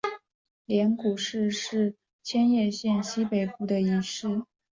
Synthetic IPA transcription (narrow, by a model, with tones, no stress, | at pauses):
ljɛ˧˥nku˨˩ʂɻ̩˥˧ʂɻ̩˥˩ | t͡ɕʰjɛ˥njɛ˥˧ɕjɛ˥˩˧nɕi˥pe˨˩ɪpu˥˩d̪ə˩i˧˩ʂɻ̩˥˩